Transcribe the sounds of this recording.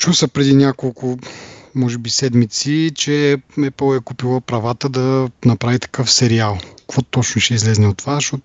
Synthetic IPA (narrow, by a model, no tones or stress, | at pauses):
t͡ʃusəpɾɛd̪inʲjakolˠkʊmɔʒɛbisɛd̪mit̪sit͡ʃɛɛpəlˠɛkupilˠəpɾɐvat̪əd̪ɐnɐpɾavit̪ɐ̥kɤfsɛɾialˠkvɔt̪ɔt͡ʃnʊʃɛizlɛznɛot̪ːovazɐʃtɔt̪ʊ